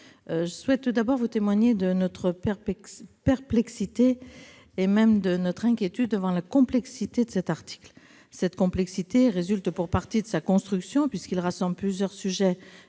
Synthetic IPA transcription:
ʒəswɛt̪̚ːud̪abɔʁvut̪emwaɲed̪ənɔt̪χəp | pɛʁplɛksit̪eː | mɛmd̪ənɔt̪χɛ̃kʲjet̪yd̪̚ːəvɑ̃lakɔ̃plɛksit̪ed̪əsɛt̪aʁt̪i̥kl | sɛt̪kɔ̃plɛksit̪eʁezylt̪puʁpaʁt̪id̪əsakɔ̃st̪χyksjɔ̃pɥiskilʁasɑ̃bləplyzjœʁsyʒɛ

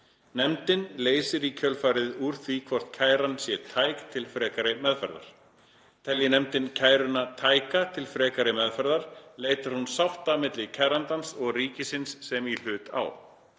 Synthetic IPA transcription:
nɛmt̪ɪnleːjsɪɾicʰœlfaɾɪðuɾ̥θvikʰvɔr̥t̪̚cʰaːjɾansjɛt̪ʰaːjkt̪ʰɪlfɾɛːkaɾɪmɛðfɛ̰ɾða̰ɾ̥ | t̪ʰɛljɪnɛmt̪ɪncʰaːjɾʏnat̪ʰaːjkat̪ʰɪlfɾɛːkaɾɪmɛðfɛɾðaɾ̥leːjt̪aɾ̥hunsawht̪amɪt̪lɪcʰɛɾant̪ansɔɣriːcɪsɪnsːɛmil̥ʏːt̪a̰w

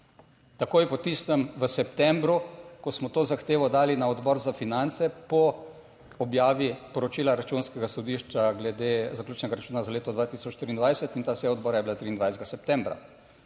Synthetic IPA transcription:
t̪akoːjpɔt̪ist̪əmʋəsɛpt̪ɛmbɾukɔsmɔt̪oːzaxt̪eːʋɔd̪aːlinaɔd̪bɔːɾzafinant̪sɛpɔ | ɔbjaːʋipɔɾɔt͡ʃiːlaɾat͡ʃuːnskɛɡasɔd̪iʃt͡ʃaɡlɛd̪ezaklʲuːt͡ʃnɛɡaɾat͡ʃuːnazaleːt̪ɔd̪ʋaːt̪isɔt͡ʃʃt̪ɾiːnd̪ʋajsɛt̪int̪aːsɛɔd̪bɔːɾajɛbilat̪ɾiːnʋajsd̪ɡasɛp̚t̪ɛ̃mbɾa̰

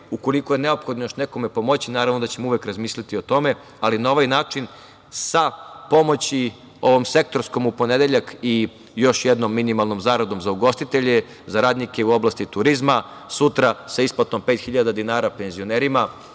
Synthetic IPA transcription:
uko̞liko̞jene̞o̞pxo̞d̪nojoʃne̞ko̞me̞po̞mo̞t͡ɕinaːɾaʋno̞d̪at͡ɕe̞muʋekɾazmiːslʲit̪io̞t̪o̞me̞ | alinao̞ʋajnaːt͡ʃin | sapo̞mo̞t͡ɕi | o̞ʋo̞mse̞k̚t̪o̞ɾsko̞mupo̞ned̪eʎaki | jo̞ʃjed̪no̞mːinimalˠno̞mzaːɾad̪o̞mzauɡo̞st̪it̪eʎe | zaɾaːd̪nike̞uo̞blˠast̪it̪uɾizma | sut̪ɾasaisplat̪o̞mpeːt̪xiʎad̪ad̪inaːɾape̞nzio̞ne̞ːɾima

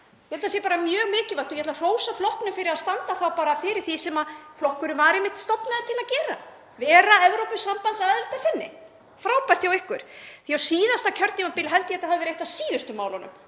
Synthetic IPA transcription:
jɛhɛt̪as̬jɛpaːɾamjœːɣmɪːcɪvajt̪ɔjɛhɛt̪var̥oːwsaflɔhknʏmfɪɾɪɾaðst̪ant̪aθawpaːɾafɪːɾɪɾ̥θisɛmaflɔhkʏɾʏvaɾɪmɪht̪st̪ɔpnaðɪt̪ʰɪlaðcɛːɾa̰ | vɛːɾaɛvɾowpʏsːampant̪saɛðɛlt̪asɪnːɪ̰ | fɾaːwpast̪jawɪhkʏɾ̥θiawsiːðast̪acʰœɾt̪ɪmapɪːlɦɛlt̪ɪɛt̪ahavɪvɛɾejht̪asiːðʏst̪ʏma̰ːwlanʏ̰m

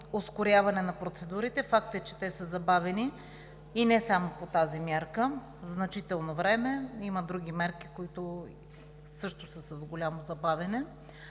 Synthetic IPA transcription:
oskoɾʲjavɐnɛnɐpɾot̪sɛd̪uɾit̪ɛfak̚t̪ɛt͡ʃɛt̪ɛsəzɐbavɛniː | nɛsamopot̪azimjaɾkə | vznɐt͡ʃit̪ɛlˠnovɾɛmɛiməd̪ɾuɡ̟ʲimɛɾki̥koit̪ʊ | sɤʃt̪ʊsəsɐzɡolʲamozɐbavɛnɛ

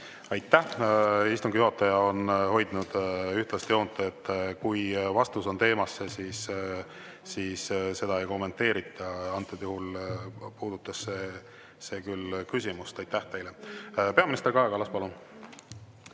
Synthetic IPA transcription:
ɑjt̪ːˑæhist̪uŋɡijuɦɑt̪ːˑɑjɑo̞nho̞jd̪nud̪̥yht̪lɑst̪eo̞ːnt̪ˑːɑet̪ːˑkujvɑst̪uso̞nt̪e̞ːmɑsːesiːsː | iːsse̞d̪̥ɑe̞jko̞mːe̞nt̪ːe̞ːɾit̪ʰˑːɑɑnt̪ːˑed̪juhulpuːd̪̥ut̪ːˑɑsːe | se̞ːkylkysʲimust̪ɑjt̪ːæht̪e̞jlepe̞ɑminist̪eɾɡkɑekɑlɑspɑlun

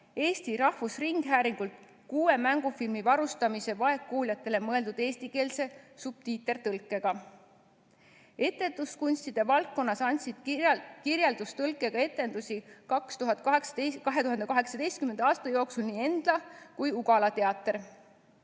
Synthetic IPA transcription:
e̞ːst̪iɾɑhvusriŋɡ̥ɦæːɾiŋɡ̥ult̪ | kuːe̞mæŋɡ̥ufilmivɑɾust̪ɑmise̞vɑe̞kːoːlʲjɑt̪ːe̞le̞mɤe̞ld̪ud̪̥e̞ːst̪ike̞ːlse̞sub̥̚t̪iːt̪ːˑe̞rt̪ɤlkːˑe̞ɡ̥ɑ | e̞t̪ːe̞nd̪̥uskunʲst̪id̪̥e̞vɑlkːo̞nːɑsɑnʲsid̪̥kirjeld̪̥ust̪ɤlkːˑe̞ɡ̥ɑe̞t̪ːˑe̞nd̪̥usʲikɑkst̪uɦɑt̪̚ːˑkɑɦeksekɑɦe̞t̪uɦɑnd̪e̞kɑɦeksɑd̪e̞jst̪kyme̞nd̪̥ɑːst̪ɑjo̞ksulniːe̞nd̪̥lɑkujuɡ̥ɑlɑt̪e̞ɑt̪ːˑer

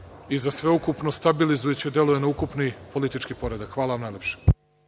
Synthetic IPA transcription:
izasʋe̞ukupno̞st̪abilizujet͡ɕed̪je̞lujenaukupnipo̞lit̪it͡ʃkipo̞ɾe̞d̪akxʋaːlaʋamnajlʲepʃe̥

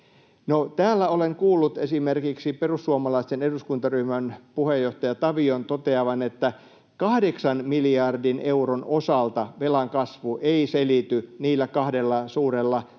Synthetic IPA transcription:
not̪æːlːæoleŋkuːlːut̪esimerkiksiperusːuɑmɑlɑist̪eneduskunt̪ɑryhmænpuhejːoht̪ɑjɑt̪ɑʋiont̪ot̪eɑʋɑnet̪ːæ | kɑhdeksɑnmiliɑrdinʔeuronosɑlt̪ɑʋelɑŋkɑsʋuʔeiselit̪yniːlːækɑhdelːɑsuːrelːɑ

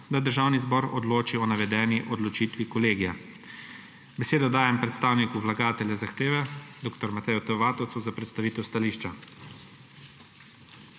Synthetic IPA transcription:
d̪ad̪əɾʒaːwnizbɔːɾɔ̰d̪loːt͡ʃiɔnaʋɛd̪ɛːniʔɔd̪lɔt͡ʃiːt̪ʋikɔleːɡija | bɛseːd̪ɔd̪aːjɛmpɾɛt̪st̪aːwnikuʋlaɡaːt̪ɛljɛzaxt̪eːʋɛd̪oːkt̪ɔɾmat̪ɛjut̪ɔʋaːt̪ɔwt̪suzapɾɛt̪st̪aʋiːt̪ɛwst̪aliːʃt͡ʃa

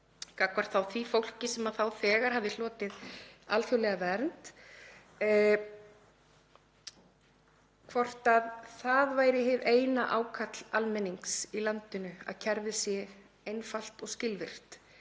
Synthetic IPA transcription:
kakvaɾ̥t̪θawθvifowl̥cɪsɛmaðθawθɛːɣaɾ̥ɦavðɪl̥ɔːt̪ɪðalθjowlɛɣavɛɾnt̪ | kʰvɔr̥t̪aðθaðvaːjɾɪɦɪveːjnaʔaːwkʰat̪lalmɛniŋksilant̪ʏnʏa̰ðcʰɛɾvɪsjɛ | ejnfal̥t̪ɔɣscɪlvɪr̥t̪

